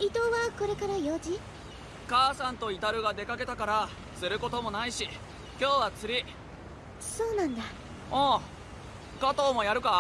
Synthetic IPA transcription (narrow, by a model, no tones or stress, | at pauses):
it̪o̞βako̞ɾe̞kaɾajoːd͡ʑi | kaːsãnt̪o̞it̪aɾɯ̟ɡad̪e̞kake̞t̪akaɾa | sɨɾɯ̟ko̞t̪o̞mo̞naiɕi | kʲo̞ːβat͡sɨɾʲi | so̞ːnãnd̪a | õː | kat̪o̞ːmo̞jaɾɯ̟ka